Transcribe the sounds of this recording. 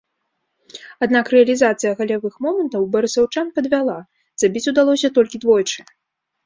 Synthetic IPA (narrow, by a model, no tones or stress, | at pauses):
ad̪nakrɛɐlʲizat̪sɨjɐɣalʲavɨxmɔmɛnt̪ɐwbɐɾɨsɐwt͡ʂanpɐd̪vʲalˠa | z̥abʲit͡sʲud̪alˠɔsʲɐt̪ɔlʲkʲid̪vɔjt͡ʂɨ